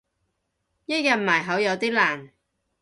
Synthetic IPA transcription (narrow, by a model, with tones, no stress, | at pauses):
jɐ˥t̚jɐ˨t̚maː˨˩jɦɐ˨˥wjɐ˨˧wt̪iː˥laː˨˩n